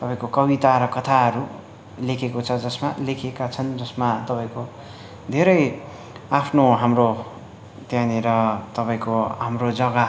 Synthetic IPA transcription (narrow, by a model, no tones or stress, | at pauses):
t̪ʌpaĩkokʌbit̪aɾʌkʌt̪ʰaɦʌɾu | lekʰekot͡sʰʌd͡zʌsmalekʰekat͡sʰʌnd͡zʌsmat̪ʌpaĩko | d̪ʱeɾʌj | apʰnoɦamro | t̪janeɾʌt̪ʌpaĩkoɦamrod͡zʌɡa